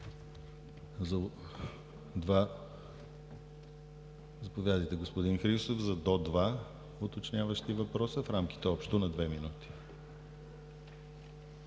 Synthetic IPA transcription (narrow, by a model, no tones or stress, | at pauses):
zɐ | d̪va | zɐpovʲjad̪əjt̪ɛɡospod̪inxɾist̪ofzɐd̪ɔd̪va | ot̪ot͡ʃnʲavəʃt̪ivɐpɾɔsəfɾamk̟i̥t̪ɛɔpʃt̪onɐd̪vɛminut̪i̥